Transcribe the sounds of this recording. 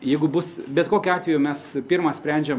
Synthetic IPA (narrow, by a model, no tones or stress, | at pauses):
jɛɪɡʊbʊsbʲɛt̪koːkʲʊɑːt̪ʲʋʲɛjʊmʲɛspʲiɾmɑsʲpʲɾʲɛˑnʲd͡ʒʲɛm